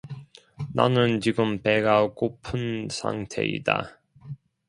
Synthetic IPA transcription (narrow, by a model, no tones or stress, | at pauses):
na̰nɯnt͡ɕiɡɯmpeɡakopʰɯnsʰa̰ŋtʰe̞̰ḭda̰